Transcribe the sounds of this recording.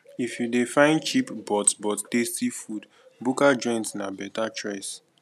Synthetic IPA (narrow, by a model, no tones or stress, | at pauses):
ifjudefãɪ̃ndt͡ʃipbɔtsbɔttestifud | bukad͡ʒɔ̃ɪ̃ntnabɛtat͡ʃɹɛs